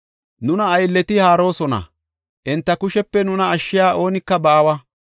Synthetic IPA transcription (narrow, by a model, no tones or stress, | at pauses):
nʊnɐːjlːɛt̪ɪhaːɾo̞ːsɔnɐ̰ | ʔɪnt̪ːɐkʊʃɛpːɛnʊnɐːʃːɪjaːʔo̞ːnɪkːɐbɐʔɐwɐ